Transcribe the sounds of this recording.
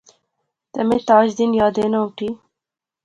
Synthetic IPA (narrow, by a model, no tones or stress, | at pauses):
t̪ɐmet̪ɑːd͡ʒd̪injɑːd̪enawʈi